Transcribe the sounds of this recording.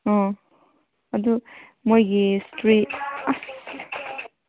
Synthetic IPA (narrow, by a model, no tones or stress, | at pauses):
ɔ | ɐd̪umojɡistɾit̚as